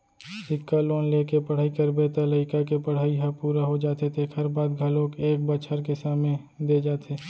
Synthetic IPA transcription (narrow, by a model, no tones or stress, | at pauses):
sɪkːaloːnleːkepəɽ̤aːikəɾbeːt̪ələɪkakepəɽ̤aːiɦapuːɾaɦod͡ʒaːt̪et̪ʰekʰɐɾbaːd̪ɡʱɐlõkeːk̚bət͡ʃʰəɾkesaːmnẽ | d̪eːd͡ʒaːt̪ʰeː